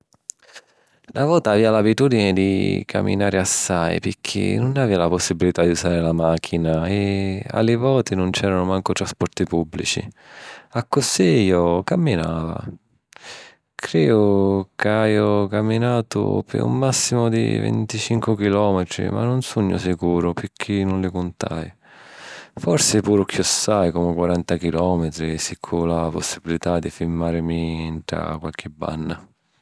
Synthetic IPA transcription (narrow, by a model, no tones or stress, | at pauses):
navɔːt̪aːviːalabit̪uːd̪inɪd̪ḭkʰa̰mːḭnaːɾɪasːajpɪkʰːɪ̰nʊnaviːalapʊsːibilit̪ad̪iusaːɾɪlamak̟ʰːinaea̰lɪvɔːt̪inʊnt͡ʃɛːɾanʊmaŋkʊt̪ɾaspɔɾt̪ipubːlḭt͡ʃḭ | akːʊsejɔkamːinaːva̰ | kʰɾɛːdʊkajɔkamːinaːt̪ʊ̰pɪ̰ṵmːasːimʊd̪ḭvḛnt̪it͡ʃiŋkwʊkilɔːmɪt̪ɾḭma̰nːʊnsuɲːʊ̰sɪkuːɾʊpɪkʰːinʊnlɪkʊnt̪a̰j | fɔɾsɪpuːɾʊk̟iɔsːajkomɪkwaɾant̪akilɔːmɪt̪ɾisikʰːʊlapʊsːibilit̪ad̪ːifilmːaːɾɪmiɳʈɾa̰kwalk̟ɪbːa̰nːa